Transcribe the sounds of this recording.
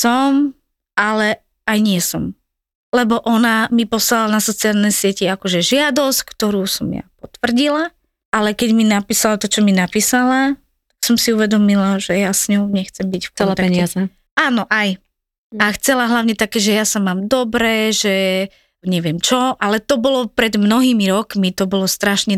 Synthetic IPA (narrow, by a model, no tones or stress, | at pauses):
sɔm | ʔalɛ | ajɲɪɛsɔm | lɛbɔʔɔnamipɔslalanasɔt͡sialnɛjsɪɛciakɔʒɛʒɪad̪ɔsckt̪ɔɾuːsɔmja̰pɔt̪ʋr̩ɟila | ʔalɛkɛɟminapiːsalat̪ɔt͡ʃɔminapiːsala | t̪ḁksɔmsiuʋɛd̪ɔmilaʒɛjasɲɔʊɲɛxt͡sɛmbicfkɛat̪a | aːnɔʔaj | axt͡sɛlaɦlaʊɲɛt̪akɛːʒɛjasamaːmd̪ɔbɾɛːʒɛ | ɲɛʋɪɛmt͡ʃɔʔalɛt̪ɔbɔlɔpɾɛd̪mnɔɦiːmiɾɔkmit̪ɔbɔlɔst̪ɾaʃɲɛ